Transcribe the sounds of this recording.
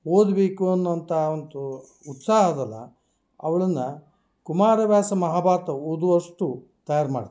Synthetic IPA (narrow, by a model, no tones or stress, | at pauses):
oːd̪ɐbeːkuɐnːuɐnt̪ɐond̪uː | t̪saːɦɐd̪ɐlːɐ̰ | ɐ̰ʋɐɭɐnːɐ | kumaːɾɐʋjaːsɐmɐɦaːbaːt̪ɐud̪uʋɐʂʈu | t̪ɐjaːɾma̰ːɽit̪